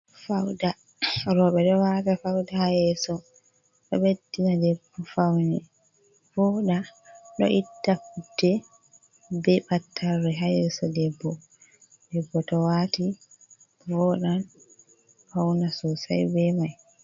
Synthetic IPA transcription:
fawda | ɾɔɓɛɗɔwatafawdahajɛsɔ | ɗɔɓedinadɛbːɔfawnɛ | fɔɗaɗɔ̰ʔitːakutːɛ | bɛbatʰːaɾːɛɦajɛsɔdɛbːɔ | dɛbːɔtɔwati | vɔɗan | fawnasɔsa̰jbɛmaj

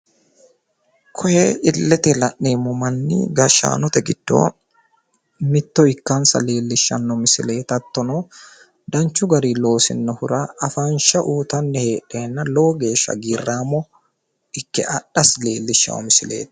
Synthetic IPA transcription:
kʰɔjɛːɪlːɛt̪ɛlɐʔːeːmːɔmɐnːḭɡɐʃa̰ːnɔt̪ɛɡɪd̪̥ːo̰ː | mɪt̪ːɔɪkːansɐ̰le̞ːlːɪʃːɐnːɔmɪsɪle̞ːt̪ɐt̪ːɔnoː | d̪ɐnt͡ʃːʊɡɐɾiːlo̞ːsɪ̰nːɔhʊɾaʔɐfanʃɐʔuːt̪ɐnːɛheːᶑeːnːɐlo̞ːɡe̞ːʃːɐ̰ɡiːrːaːmɔ | ɪkːɛʔɐɗɐsle̞ːlːɪʃːɐ̰ɔ̰mɪsɪle̞̰ːt̪

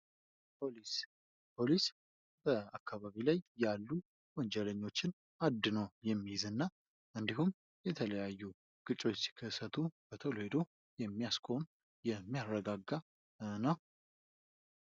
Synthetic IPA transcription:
pʰolis | pʰo̞lis | bəakʰːaβaβilajjalːu | wɔɲd͡ʒɛləɲːo̞t͡ʃːɪn | ad̪nəwjɛmːijzɨnːa | ʔɨnd̪iɦum | jɛt̪ʰələjajːu | ɡ̥ɨt͡ʃʼo̞t͡ʃːsi̥kʰːəsːət̪ʰub̥ət̪ʰəlohed̪o | jɛmːijaskʰo̞n | jɛmːijaɾəɡaɡːa | nəw

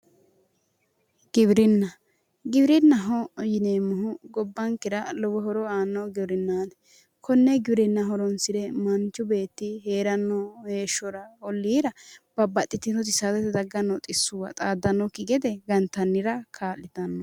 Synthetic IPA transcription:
ɡ̥ɪbɾɪnːɐ | ɡɪbɾɪnːɐɦɔjɪneːmːʊɦʊɡɔbːɐŋkɪɾɐlɔbɔhɔɾɔaːnːɔɡɪbɾɪnːaːnɛ | kʰɔnːɛɡɪbɪɾɪnːɐɦɔɾɔnsɪdɛmɐnt͡ʃːʊbe̞ːt̪ːɪɦe̞ːɾɐnːɔheːʃːɔɾɐɔlːiːɾɐb̥ɐbːɐt̪ʼːɪt̪ːɪt̪ɔt̪ɪsat̪ɛt̪ɛd̪ɐɡːɐnːɔt̪ʼɪsːʊwɐt̪ʼaːd̪ːɐnːɔkɪɡɛd̪ɛɡɐnt̪ːɐnːɪɾɐkʰaːlːɪt̪ɐnːɔ

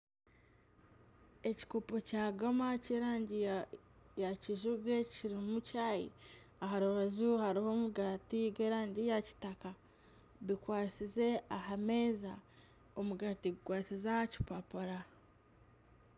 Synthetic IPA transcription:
e̞ci̥kopo̞caːɡomaceɾaːɲɟi | jaciʒuɡe̞ciɾimucajḭ | ahaɾuβazuhaɾiho̞muɡatiɡeːɾaːɲɟijaci̥taka | βikwaːt͡size̞ahame̞ːza | omuɡaːtiɡuɡwaːt͡sizaci̥papaɾa

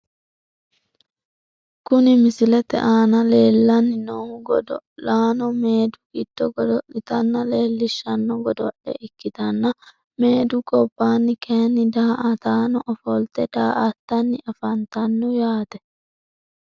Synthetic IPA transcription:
kʊnɪmɪsɪlɛt̪ɛ̰ʔaːnɐleːlːɐnːɪnɔɡɔd̪ɔlaːnɔmeːd̪ʊɡɪd̪̥ːɔɡɔd̪ɔʔɪt̪ɐnːɐle̞ːlːɪʃːɐnːɔɡɔd̪ɔʔɛ̰ʔɪkːɪt̪ɐnːɐ | me̞ːd̪ʊkʼɔbːaːnːɪkʰenːɪd̪aːʔɐt̪aːnɔʔɔfɔlt̪ɛd̪̥aːʔɐt̪ːɐnːɪʔɐfɐnt̪ɐnːʊjaːt̪ɛ̥

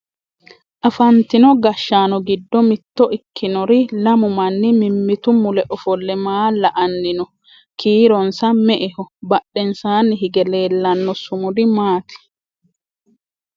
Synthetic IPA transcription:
ʔɐfɐnt̪ɪnɔɡɐʃːaːnɔɡɪd̪ːɔmɪt̪ːɔʔɪkʰːɪnɔɾɪlɐmʊmɐnːɪmɪmːɪt̪ʊmʊlɛʔɔfɔlːɛmaːlːɐʔɐnːɪnɔ | kʰiːɾɔnsɐmɛʔɛhɔbɐɗːɛnsaːnɪɦɪɡɛleːlːɐnːɔsʊmʊdɪmaːt̪ɛ̥

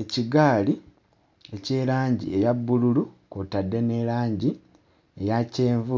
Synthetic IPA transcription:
eciɡaːli | e̞ce̞ːɾaːɲɟḭe̞jabːululukotadːe̞ne̞ɾaːɲɟi | ejace̞ːɱvu

